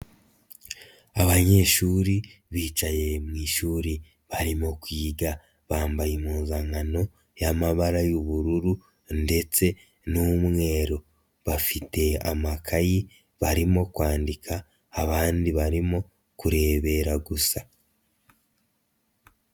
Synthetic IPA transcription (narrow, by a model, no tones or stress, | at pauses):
aβaɲe̞ːʃuːɾiβiːt͡ʃaje̞mŋiːʃuːɾi | βaɾimo̞kwiːɡa | βaːmbajemuːnzaŋano̞ | jamaβaɾajuβuɾuɾu | nde̞t͡se̞ | numŋe̞ːɾo̞ | βafite̞a̰makʰaji | βaɾimo̞kwaːndikʰaː | βaːndiβaɾimo̞ | kuɾe̞ːβe̞ɾaɡusa